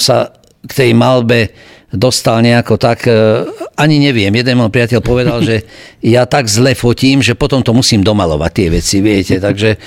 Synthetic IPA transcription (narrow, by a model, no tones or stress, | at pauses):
sa | kt̪ɛjmalbɛ | d̪ɔst̪alɲɛakɔt̪ak | aɲiɲɛʋɪɛmjɛd̪ɛnmɔpɾɪacɛʎpɔʋɛd̪alʒɛjat̪aɡzlɛfɔciːmʒɛpɔt̪ɔmt̪ɔmusiːmd̪ɔmalɔ̰ʋa̰c̚t̪ːɪɛʋɛt͡siʋiɛcɛt̪aɡʒɛ